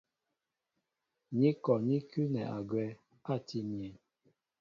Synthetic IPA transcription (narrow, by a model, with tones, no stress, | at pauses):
ɲi˦kɔ˨ɲi˦ky˦nɛ˨a˨ɡwɛ˦ | a˦˨ti˦mi˨ɛ˨